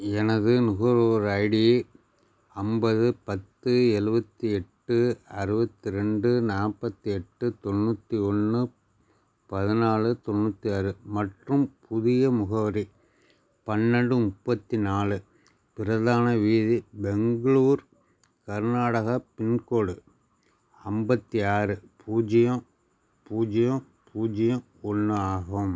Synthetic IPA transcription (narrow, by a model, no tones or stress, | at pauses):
ɛnɐðɯnʊɣɐɾoːɾɐɪɽɪje | ɐmbɐðɯpɐt̪ːɯɛɻɯbɐt̪ːiɛʈːɯɐɾɯbɐt̪ːiɾɛɳɖɯnaːɾpɐt̪ːiɛʈːɯt̪ɔnːuːt̪ːiɔnːɯ | pɐðɪnaːɭɯt̪ɔnːuːt̪ːiɐɾɯmɐʈrɯmpʰʊðɪjɐmʊɣɐʋɐɾi | pɐnːɐɳɖɯmʊpːɐt̪ːinaːɭɯ | pɪɾɐðaːnɐʋiːðibɛŋɡɐɭuːɾ | kɐɾnaːɽɐɣɐpɪnkoːɽɯ | ɐmbɐt̪ːiaːɾɯpʰuːd͡ʒɪjɐ̃ | puːd͡ʒɪjõ | pʰuːd͡ʒɪjɐ̃ | ɔnːɯaːɣɐm